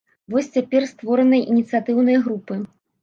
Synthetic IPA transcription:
vɔsʲt͡sʲapʲɛrst̪vɔɾɐnɐjʔinʲit̪sɨjat̪ɨwnɐjɐɣɾupɨ

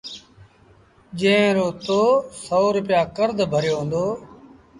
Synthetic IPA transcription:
d͡ʒẽːɾoːt̪oːsoːɾʊpjaːkəɾd̪ʱbʱəɾjoːɦə̃nd̪oː

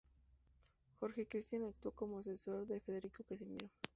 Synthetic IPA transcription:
xo̞ɾxe̞kɾist̪janakt̪woko̞moas̬eso̞ɾðe̞fe̞ðe̞ɾikokas̬imḭɾo

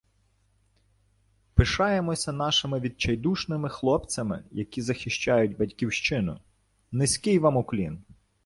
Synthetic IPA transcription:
pɪʃɑjemɔsʲɐnɑʃɪmɪʋʲid̪̚t͡ʃɐjd̪uʃnɪmɪxlˠɔpt͡sʲɐmɪ̰jɐkʲizɐxʲɪʃt͡ʃɑjʊdʲbɐdʲkʲiwʃt͡ʃɪnʊ̰ | nɪsʲkɪjʋɑmʊklʲin

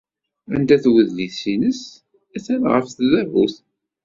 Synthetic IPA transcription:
ænd̪æθwəðːisinəs | æθænʁəfθðævuθ

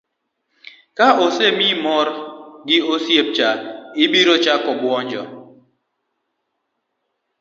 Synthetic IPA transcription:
kaʔosemimɔɾɡiosjep̚t͡ʃaibiɾot͡ʃakɔbwɔnd͡ʒɔ̰

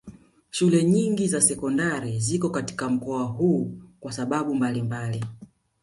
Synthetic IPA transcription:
ʃulɛɲiŋɡizasɛkɔndaɾizikɔkati̥kam̩kɔahuːkwasaɓaɓumbalimbali

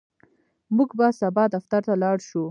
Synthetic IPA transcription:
muɡbasabɑd̪aft̪aɾt̪alɑɽʃu

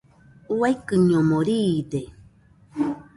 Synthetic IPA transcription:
uajkɨɲomoɾide

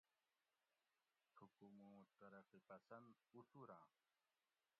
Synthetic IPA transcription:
t̪ʰukumũːt̪ɐɾəqipɐsɐnd̪usuɾãː

